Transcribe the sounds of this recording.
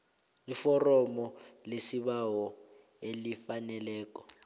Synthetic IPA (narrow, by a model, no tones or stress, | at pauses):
lifɔrɔmɔlesiɓawɔ | elifanɛlɛːk̬ʼɔ̥